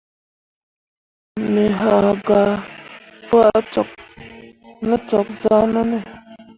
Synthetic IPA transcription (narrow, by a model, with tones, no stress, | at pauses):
me˨ɦa˨ɡa˨ | fə˦ʔt͡ʃɔ˨k̚ | nə˦t͡ʃɔ˨k̚za˦nə˦nə˦˨